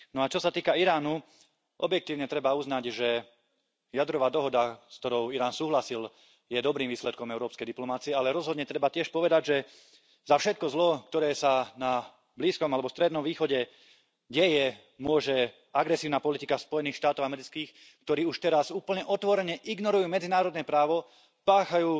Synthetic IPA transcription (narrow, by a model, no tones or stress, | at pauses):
nɔat͡ʃɔsat̪iːkaiɾaːnu | ʔɔbjɛk̚t̪iːʊɲɛt̪ɾɛbauznaɟʒɛ | jad̪ɾɔʋaːd̪ɔɦɔd̪askt̪ɔɾɔʊiɾaːnsuːɦlasil | jɛd̪ɔbɾiːmʋiːslɛt̪̚kɔmɛʊɾɔːpskɛjd̪iplɔmat͡siɛalɛɾɔzɦɔd̪ɲɛt̪ɾɛbatɪɛʃpɔʋɛd̪aɟʒɛ | zafʃɛt̪̚kɔzlɔkt̪ɔɾɛːsana | bliːskɔmalɛbɔst̪ɾɛd̪nɔmʋiːxɔɟɛ | ɟɛjɛ | mʊɔʒɛ | aɡɾɛsiːʊnapɔlit̪ikaspɔjɛniːxʃt̪aːt̪ɔʊamɛɾit͡skiːx | kt̪ɔɾiːuʃt̪ɛɾasuːpl̩ɲɛʔɔt̪ʋɔɾɛɲɛʔiɡnɔɾujuːmɛd͡zinaːɾɔd̪nɛːpɾaːʋɔ | paːxajuː